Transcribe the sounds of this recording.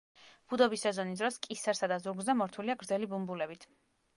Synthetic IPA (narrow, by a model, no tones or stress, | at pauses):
b̥ud̪ɔbisɛzɔnisd̪ɾɔskʼisɛɾsad̪azuɾɡzɛmɔɾt̪ʰuliaɡɾd̪zɛlibumbulɛbit̪ʰ